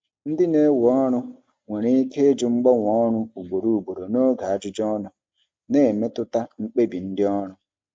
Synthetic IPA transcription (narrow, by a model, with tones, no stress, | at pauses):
n̩˦dɪ˦ne˦wɔ˦nʊ˦ | ŋʷe˨ɾe˦i˦ke˦e˦d͡ʒʊ˨ŋ͡m̩˦ɡ͡bɔ˦ŋʷ˨ɔ˦nʊ˦u˨ɡ͡bo˨ɾu˨u˨ɡ͡bo˨ɾo˨no˦ɡa˨a˦d͡ʒʊ˦d͡ʒɔ˦nʊ˨ | ne˨me˦tʊ˦ta˦ŋ͡m̩˦k͡pe˦bi˨n̩˦dɪ˦ɔ˦ɾʊ˦